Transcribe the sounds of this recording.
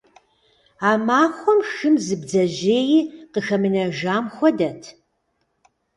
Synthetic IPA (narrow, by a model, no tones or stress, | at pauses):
aːmaːxʷɔmʃɨmzɨbd͡zɐʑeːjiːqəxɐmɨnɐʒaːmxʷɔdɐtʰ